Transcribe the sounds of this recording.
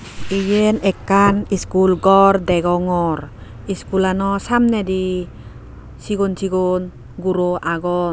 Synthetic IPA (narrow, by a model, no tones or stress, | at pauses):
ijenɛkːaniskulɡɔrdɛɡɔŋɔr | iskulanɔsamnɛdi | siɡɔnsiɡɔn | ɡuɾoʔaɡɔ